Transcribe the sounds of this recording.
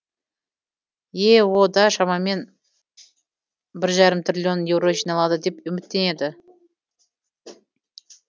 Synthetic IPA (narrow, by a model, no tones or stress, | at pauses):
jewod̪ɑʃɑmɑme̞n | bɪɾʒɑɾəmt̪rʲilʲjo̞nje̞wɾo̞ʒijnɑlˠɑd̪əd̪e̞pʏmɪt̪ːe̞ne̞d̪ɪ